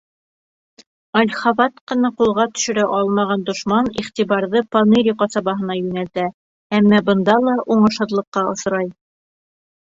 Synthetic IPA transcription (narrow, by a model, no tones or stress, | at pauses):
ɑlʲχɑβɑt̪qɤ̆nɑqulˠʁɑt̪ɵ̥̆ʃɵ̆ɾæʔɑlˠmɑʁɑnd̪ŏʃmɑniχt̪iβɑɾðɤpɑneɾʲiqɑsɑβɑɦɤ̆nɑjɵ̆nælt̪æ | æmːæbɤ̆nd̪ɑlˠɑʔuɴɤ̆ʃhɤ̆ðlˠɤ̆qːɑŏs̆ɾɑj